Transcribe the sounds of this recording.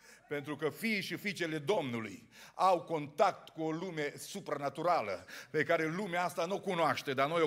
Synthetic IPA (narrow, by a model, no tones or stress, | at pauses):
pe̞nt̪ɾukəfiːʃifit͡ʃe̞le̞d̪o̞mnulṵjawko̞nt̪akt̪kuolume̞supɾanat̪uɾalə̰pe̞kaɾe̞lumeaast̪anokunoaʃt̪e̞d̪anojo